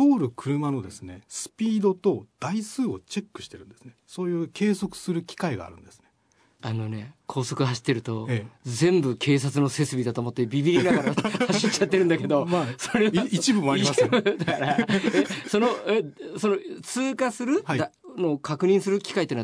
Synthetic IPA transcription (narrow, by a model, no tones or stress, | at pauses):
t̪oːɾɯ̟kʰɯ̟ɾɯ̟mano̞d̪e̞sɨnesɨ̥pʲiːd̪o̞t̪o̞d̪̥aisɨːo̞t͡ɕe̞kːɯ̟̥ɕi̥t̪e̞ɾɯ̟̃nd̪esɨ̥nesoːjɯːkʰe̞ːso̞kɯ̟̥sɨɾɯ̟kʲi̥kaiɡa̰ːɾɯ̟̃nd̪esɨ̥ne | ano̞ne̞kʰo̞ːso̞kɯ̟ɦaɕi̥t̪ːe̞ɾɯ̟t̪o̞d͡zẽ̞mbɯ̟kʰe̞ːs̬at͡sɨno̞se̞t͡ssɨbʲid̪at̪o̞ːmo̞t̪ːe̞bʲibʲiɾʲinaɡaɾhaɕit͡ɕːat̪ːe̞ɾɯ̃nd̪ake̞d̪o̞asoɾe̞it͡ɕibɯmoaɾiaɯd̪akaɾaeso̞no̞eso̞not͡sɨːkasɨɾɯ̟a | no̞ːkakɯ̟ɲ̟ĩɰ̃sɨɾɯkʲi̥kait̪ona